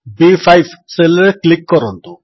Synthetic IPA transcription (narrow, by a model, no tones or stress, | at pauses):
bifʰajʋselɾeklɪkːɔɾɔnd̪u